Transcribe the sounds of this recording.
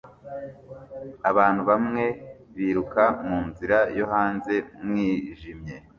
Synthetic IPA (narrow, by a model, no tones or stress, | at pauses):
aβaːn̥huβamŋe̞ | βiːɾukamuːnziɾajo̞ɦaːnze̞mŋiːʒimɲe̞